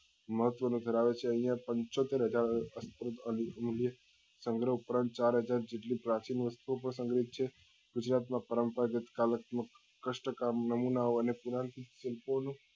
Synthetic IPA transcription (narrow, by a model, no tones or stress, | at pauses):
məɦət̪ʋənũd̪ʱəɾaʋet͡ʃʰeə̃ɦĩjãpə̃ɲt͡ʃot̪eɾɦəd͡ʒaɾəsp̪ɾəd̪ələmljə | sə̃ŋɡɾəupɾãnt̪̚t͡ʃaɾɦəd͡ʒaɾd͡ʒeʈlipɾat͡ʃinʋəst̪uopɾə̃sə̃ŋɡɾit̪̚t͡ʃʰe | ɡ̥ʊd͡ʒɾat̪mãpəɾəmpəɾɡət̪kalət̪mək | kːəʃʈəkamnəmunaoənepuɾãnt̪ʰiʃɪlponũ